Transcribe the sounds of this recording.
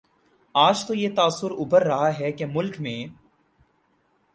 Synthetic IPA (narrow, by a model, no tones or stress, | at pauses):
aːd͡ʒt̪ojet̪aːsːʊɾʊbʱəɾːɐɦaɦɛkemʊlkmẽː